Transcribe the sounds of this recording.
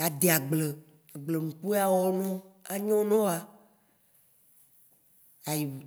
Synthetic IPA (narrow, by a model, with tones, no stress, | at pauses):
a˨d̪e˨a˨ɡ͡ble˨ | ɡ͡ble˨nũ˨k͡pu˦a˨wɔ˦nɔ̃˦a˨ɲɔ̃˦nɔ̃˦a˨ | a˨ji˨